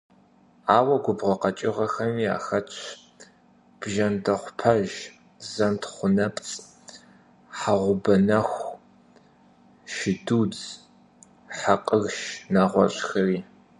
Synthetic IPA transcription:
aːwɐɡʷʊbʁɐqɐt͡ʃʼɪʁɐxɐmiːa̰ːxɐt͡ʃʷʰ | b̥ʒɐndɐχʷʊpʰɐʒ | zɐntʰχʷʊnɐpʼt͡sʼ | ħaʁʷʊbɐnɐxʷ | ʃɪduːd͡z | ħaqʼəɣʃnaːʁʷɔ̰ɕʼxɐriː

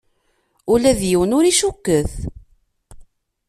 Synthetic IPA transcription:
ulæðjiwənʊɾiʃukːəθ

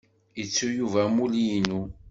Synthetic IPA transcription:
jət͡sːujuvæmulijinu

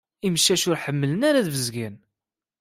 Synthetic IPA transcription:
iməʃːæʃʊɾħəmːələnaɾaðvəzɡæn

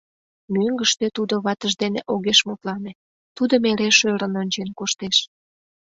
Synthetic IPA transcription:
møŋɡəʃt̪et̪ud̪oβɑt̪əʒd̪eneʔoɣeʃmot̪lɑne | t̪ud̪əmeɾeʃøɾə̆nonʲt͡ɕenkoʃt̪eʃ

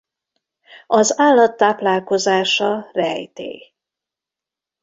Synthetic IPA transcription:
ɒzaːlːɒt̪ːaːplaːlko̞zaːʃɒrɛjt̪ḛː

